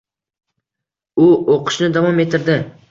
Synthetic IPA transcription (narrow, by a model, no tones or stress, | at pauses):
ʊoqʰʊ̥ʃnɪd̪avɒmet̪ʰːɪɾd̪ɪ